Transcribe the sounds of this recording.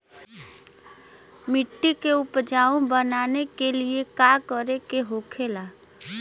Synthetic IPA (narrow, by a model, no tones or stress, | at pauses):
mɪʈːikeʊpd͡ʒaːõbənaːnekeliekaːkəɾekeɦoːkʰelaː